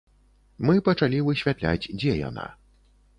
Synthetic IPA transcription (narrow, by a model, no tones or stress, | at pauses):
mɨpɐt͡ʂalʲivɨɕvʲat̪lʲa̰d͡zʲd͡zʲɛja̰na̰